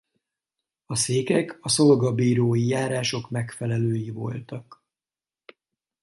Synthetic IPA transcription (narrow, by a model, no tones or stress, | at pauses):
ɒseːkɛkɒso̞lɡɒbiːɾoːjijaːɾaːʃo̞kmɛkfɛlɛløːjivo̞̰lt̪ɒk